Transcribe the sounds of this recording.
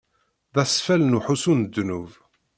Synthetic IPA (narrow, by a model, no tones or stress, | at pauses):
ðæsfælnuħusund̪ːnuv